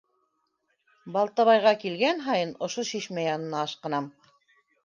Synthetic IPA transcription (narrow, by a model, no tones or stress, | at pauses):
bɑlˠt̪ɑβɑjʁɑkilɡænɦɑjɤnŏʃoʃiʃmæjɑnɤ̆nɑːʃqɤ̆nɑm